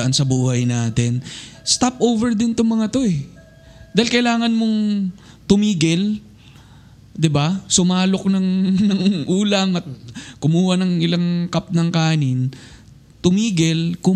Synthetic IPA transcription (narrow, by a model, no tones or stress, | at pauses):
ʔansɐbuːhɐjnaːt̪ɛnst̪apʔowvɛɹd̪ɪnt̪oŋmɐŋat̪o̞ɛ | d̪aːɪlkɐɪlaːŋɐnmoŋ | t̪ʊmiːɡɪl | d̪ɪbasʊmaːlo̞k̚nɐŋnɐŋʔuːlɐŋɐt̪̚kʊmuːhɐnɐŋɪlaŋkap̚nɐŋkaːnɪn | t̪ʊmiːɡɪlkʊ